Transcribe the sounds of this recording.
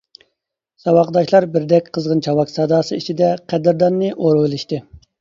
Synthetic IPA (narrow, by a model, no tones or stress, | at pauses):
sɑwɑqd̪ɑʃlˠɑɾbɪɾd̪ɛkʲqʰəzʁənt͡ʃʰɑwɑksɑd̪ɑːsɨit͡ʃʰid̪ɛqʰæd̪ɪɾd̪ɑnːɨʔoɾwɨlˠɪʃt̪ɨ